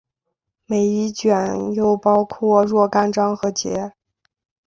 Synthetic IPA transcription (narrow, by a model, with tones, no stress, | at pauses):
me˨˩ɪi˧˥t͡ɕɥɛ˨˩njo˥˧ʊpɑ˥ʊkʰwɔ˥˧ɻwɔ˥˧ka˥˧nʈ͡ʂɑ˥ŋxɤ˧˥t͡ɕjɛ̰˧˥